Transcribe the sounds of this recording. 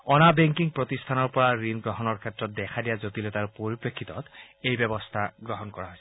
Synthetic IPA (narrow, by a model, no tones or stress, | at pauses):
ɔnabɛŋkiŋpɹɔt̪ist̪ʰanɔɹpɔɹaɹinɡɹɔɦɔnɔɹkʰɛtɹɔt̪̚d̪ɛkʰadijazot̪ilɔt̪aɹpoɹipɹekʰːit̪ɔ̰t̪ejbɛbɔst̪ʰaɡɹɔɦɔnkɔɹaɦojsɛ